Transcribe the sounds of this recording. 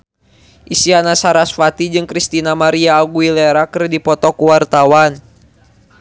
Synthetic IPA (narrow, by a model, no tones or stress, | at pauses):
ʔisianasaɾasfat̪id͡ʒɨŋkɾist̪inamaɾiaːɡuilɛɾakɨrdipɔt̪ɔkuwart̪awan